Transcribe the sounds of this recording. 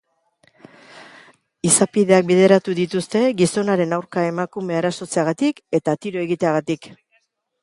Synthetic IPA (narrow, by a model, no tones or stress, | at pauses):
isapið̞e̞ak̚beð̞e̞ɾat̪uðit̪ust̪e̞ɣiso̞naɾe̞nawɾkae̞makume̞aɾaso̞t͡se̞aɣ̞at̪ike̞t̪at̪iɾo̞e̞ɣit̪e̞aɣat̪ik